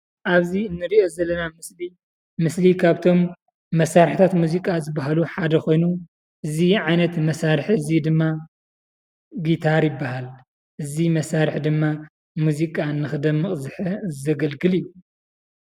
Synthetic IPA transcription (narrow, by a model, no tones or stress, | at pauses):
ʔaβziɨnːɨɾiʔo̞zɐlːɐnamɨsli | mɨslikʰaβt̪ʰo̞mː | ɐsːaɾħit̪ʰat̪muzikʼazɨbaɦaluħad̪ɐko̞jnu | ʔɨziʕajnɐt̪mɐsaɾħɨzid̪ɨmːa | ɡit̪ʰaɾjɪbːahal | ʔɨzimɐsaɾɨħd̪ɨmːa | muzikʼaɨnːɨxɨd̪ɐmːɨχʼzɨħɐzɐɡɐlɡɨliju